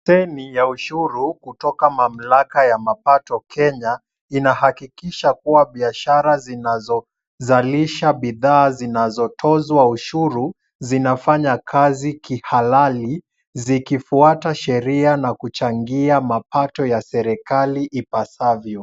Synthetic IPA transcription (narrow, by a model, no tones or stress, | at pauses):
sɛnijauʃuɾukutɔkamam̩lakajamapatɔkʰɛɲa | inahakikiʃakuwaɓiaʃaɾazinazɔ | zaliʃaɓiðaːzinazɔtʰɔzwauʃuɾu | zinafaɲakʰazikihalali | zikifuataʃɛɾianakut͡ʃaŋɡiamapatɔjasɛɾɛkaliʔipasavjɔ